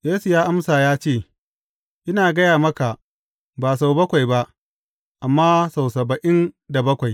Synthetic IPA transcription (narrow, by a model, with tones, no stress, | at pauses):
jeː˦su˨jaː˦ʔa˦msaː˨jaː˦t͡ʃeː˦˨ | ʔɪ˦naː˨ɡɐ˦jaː˨mɐ˦ka˨ʔ | baː˨s̬a˨wbɐ˦kʷa˨jba˦ʔ | ʔa˨mːaː˦sa˨wsɐ˨bɐ˨ʔɪ˦nda˨bɐ˦kʷa˨j